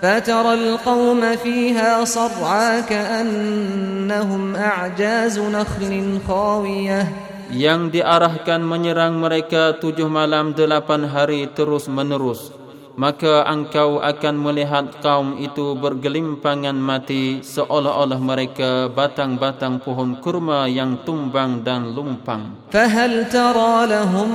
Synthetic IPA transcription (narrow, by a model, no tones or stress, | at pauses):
fat̪ɑɾˤɑlqɑwmafiːɦaːsˤɑbʕakaʔanː | aɦʊmʔaʕd͡ʒaːznaxlɪnxɑːwɪja | jaŋdiʔaɾahkanməɲəɾaŋməɾekat̪ud͡ʒʊhmalamdəlapanɦaɾit̪əɾʊsmənəɾʊs | makaʔəŋkawʔa̰kanməliɦat̪̚kaumit̪ubərɡəlimpaŋanmãt̪isəʔolaɦolahməɾekabat̪aŋbat̪aŋpuɦɔnkurmajaŋt̪umbaŋdanlumpaŋ | faɦalt̪ɑɾˤɑːlaɦʊm